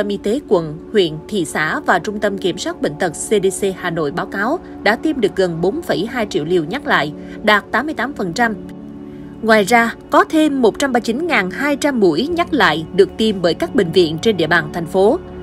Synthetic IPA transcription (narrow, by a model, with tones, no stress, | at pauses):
ə˧mʔi˧t̪e˨˦kwə̰˧˨nhwḭ˧˨ənt̪ʰḭ˧˨sa̰ː˧˥vaː˨˩t͡ɕʊ˧ŋ͡mt̪ə˧mki˧˩əmswaː˦˥t̚ɓḛ˧˨ŋ̟t̪ə˨˩k̚se˧ɗe˧se˧haː˨˩no̰˧˨jɓaː˨˦wkaː˨˦w | ɗa̰ː˧˥t̪i˧mɗɨ˨˩ək̚ɣə˨˩nɓo˨˦nfə˧˩jhaː˧jt͡ɕḭ˧˨əwlḭ˨˧˩əwɲa˦˥k̚la̰ː˧˨j | ɗaː˨˩t̚t̪aː˨˦mːɨ˧əjt̪aː˨˦mfə˨˩nt͡ɕa˧m | ŋwaː˨˩jzaː˧kɔ˨˦t̪ʰe˧mːo˨˩t̚t͡ɕa˧mɓaː˧t͡ɕi˨˦nŋaː˨˩nhaː˧jt͡ɕa˧mːu˧˩əjɲa˦˥t̚la̰ː˧˨jɗɨ˨˩ək̚t̪i˧mɓəː˨˦jkaː˦˥k̚ɓḭ̈˧˨ŋ̟vḭ˧˨ənt͡ɕe˧nɗḭ˧əɓaː˨˩nt̪ʰɛ˨˩ŋ̟fo˨˦